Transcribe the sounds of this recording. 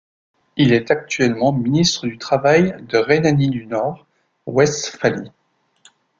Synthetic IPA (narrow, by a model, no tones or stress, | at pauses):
ilɛt̪ak̚t̪ɥɛlmɑ̃minist̪χəd̪yt̪χavajd̪əʁenanid̪ynɔʁ | wɛst̪fali